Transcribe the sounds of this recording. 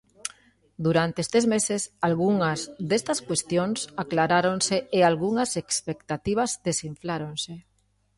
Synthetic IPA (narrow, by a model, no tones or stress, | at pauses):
d̪uɾant̪eest̪ezmesesalɣuŋɐzðest̪ɐskwest̪joŋsaklaɾaɾonseealɣuŋɐsekspekt̪at̪iβ̞ɐzd̪esiɱflaɾonse